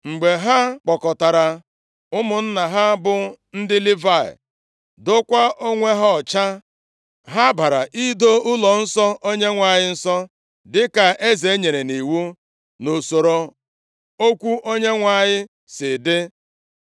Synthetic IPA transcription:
ŋ͡m̩˨ɡ͡be˨ɦa˦k͡pɔ˨kɔ˨ta˨ɾa˨ | ʊ˦mʊ˨n̩˦na˨ɦa˦bʊ˨ | n̩˦dɪ˦li˦va˦˨ɪ̰˨ | dʊ˦kʷa˦ʔo˦ŋʷe˦ɦɔ˦ɔ˨t͡ʃa˦ | ɦa˦ba˨ɾa˨ʔi˦do˦ʊ˦lɔ˨n̩˦sɔ˦ʔo˦ɲe˦ŋʷa˨ɲɪ˦n̩˦sɔ˦ | dɪ˦ka˨ʔe˦ze˨e˦ɲe˨ɾe˨ni˨wu˦ | no˨so˨ɾo˨ | o˦kʷu˦ʔo˦ɲe˦ŋʷa˨ɲɪ˦ | sɪ˨dɪ˦

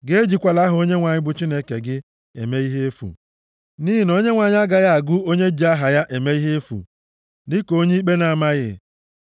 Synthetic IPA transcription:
ɡe˦d͡ʒi˨kʷa˨la˦ɦʊ˨o˦ɲe˦ŋʷa˨ɲɪ˦bʊ˦t͡ʃi˦ne˦ke˨ɡɪ˦ | ḛ˨me˦i˦ɦe˦e˦fṵ˨ | ni˦ɦi˨n˦o˦ɲe˦ŋʷa˨ɲɪ˦a˦ɡa˨ja˦a˨ɡʊ˦o˦ɲe˦d͡ʒi˨˦a˦ɦa˨ja˦ʔe˨me˦i˦ɦe˦e˦fṵ˨ | dɪ˦ko˦ɲe˦k͡pe˦na˨ma˦ɣɪ̰˦

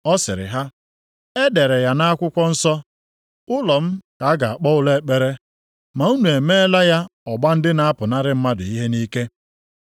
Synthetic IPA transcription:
ɔ˦sɪ˨ɾɪ̰˨ɦa˦ | e˦de˨ɾe˨ja˦na˦a˦kʷʊ˦kʷɔ˦n̩˦sɔ˦ | ʊ˦lɔ˨m̩˦ka˨a˦ɡa˨a˨k͡pɔ˦ʊ˦le˦˨k͡pe˦ɾe˦ | ma˨u˦nu˨e˨me˦e˦la˦ja˦ɔ˨ɡ͡ba˦n̩˦dɪ˦na˦a˦pʊ˨na˦ɾɪ˦m̩˦ma˦dʊ˨i˦ɦe˦ni˦ke˦

